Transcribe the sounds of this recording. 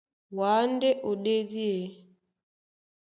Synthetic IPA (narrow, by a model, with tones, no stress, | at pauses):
waː˨˦n˦de˦ʔo˨ɗe˦di˦e˨